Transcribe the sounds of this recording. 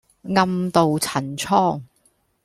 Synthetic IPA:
ŋɐ˧mt̪o˨wt͡sʰɐ˨˩nt͡sʰɔː˥ŋ

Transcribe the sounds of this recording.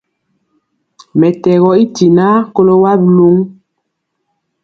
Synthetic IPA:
mɛ˨tɛ˨ɣɔ˨i˦ti˨na˦ko˦lo˦wa˦blu˦ŋ

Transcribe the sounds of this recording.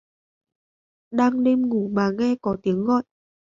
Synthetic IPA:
ɗaː˧ŋɗe˧mŋu˧˩maː˨˩ŋɛ˧kɔ˨˦t̪i˨˦əŋɣɔ̰˧˨jʔ

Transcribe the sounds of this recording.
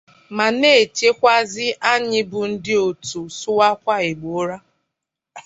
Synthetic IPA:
ma˨ne˦˨t͡ʃe˦kʷa˦zɪ˦ʔa˦ɲɪ˦bʊ˨n̩˦dɪ˦o˨tu˨sʊ˦wa˦kʷa˦ɪ˨ɡ͡bo˨˦ɾa˦

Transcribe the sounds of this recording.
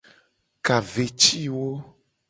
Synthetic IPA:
ka˨ve˨t͡ʃi˦wo˦

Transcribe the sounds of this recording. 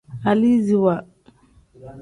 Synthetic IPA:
a˨li˦zi˨wa˨

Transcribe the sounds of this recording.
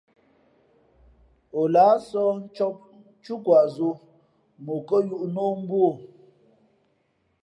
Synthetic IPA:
o˨la˨˦sɔ˦n˦t͡ʃɔ˦p̚ | t͡ʃu˦kwa˨ʔzo˦ | mu˨kə˦ju˦ʔno˦m̩˦bwo˦˨

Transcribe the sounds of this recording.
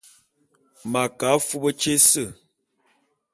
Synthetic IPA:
ma˨ka˨˦fu˦bə˦t͡ʃe˦sə˦˨

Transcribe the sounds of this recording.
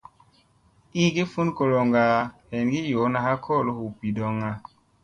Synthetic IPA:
i˦ɡi˦fu˦nko˨lo˨ŋɡa˨he˨nɡi˦jo˨˦na˨ha˦kʰo˦˨lo˨˦hu˨pi˨do˦ŋa˦

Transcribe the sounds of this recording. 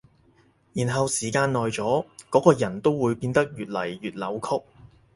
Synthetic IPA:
jiː˨˩nɦɐ˨wsiː˨˩kaː˧nnɔː˨jt͡sɔː˨˥kɔː˨˥kɔː˧jɐ˨˩nt̪o˥wːuː˨˧jpiː˧nt̪ɐ˥k̚jyː˨t̚lɐ˨˩jːyː˨t̚lɐ˨˥wkʰʊ˥k̚

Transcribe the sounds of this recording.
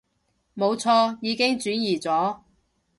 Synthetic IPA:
mo˨˧wt͡sʰɔː˧jiː˨˧kɪ˥ŋt͡ʃyː˨˥njiː˨˩t͡sɔː˨˥

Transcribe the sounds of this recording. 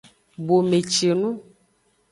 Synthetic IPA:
bo˨me˨t͡ʃe˨nũ˦

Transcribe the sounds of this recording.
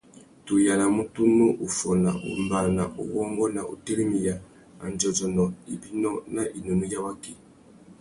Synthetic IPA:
tu˨ja˨na˨mu˦tu˦nu˦ʔu˨fɔ˨na˨ʔṵ˨mba˨na˨ʔṵ˨wɔ˦ŋɡɔ˦na˨ʔṵ˨te˦li˦mi˨ja˨ | a̰˨n˨d͡ʒɔ˨d͡ʒɔ˨nɔ˨i˨bi˦nɔ˦na˦ʔi˨no˨nu˦ja˦wa˦ki˨

